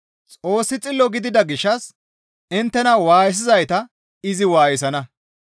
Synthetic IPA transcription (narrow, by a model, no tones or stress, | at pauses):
t͡sʼo̞ːsːɪt͡sʼɪlːɔɡɪd̪ɪd̪ɐɡɪʃːɐs | ɪnt̪ːɛnɐwaːjɪs̬ɪzɐjt̪ɐ | ɪzɪwaːjɪs̬ɐnɐ